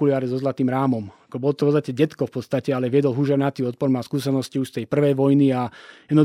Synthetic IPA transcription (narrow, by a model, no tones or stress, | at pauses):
uliaːɾizɔzlat̪iːmɾaːmɔmakɔbɔlɔt̪ɔfpɔt͡sst̪acɛɟɛt̪kɔfpɔt̪st̪acɛalɛʋɛd̪ɔlɦuʒɛɾnat̪iːɔt̪̚pɔɾmaskuːsɛnɔsciuʃst̪ɛjpr̩ʋɛjʋɔjniajɛd̪nɔ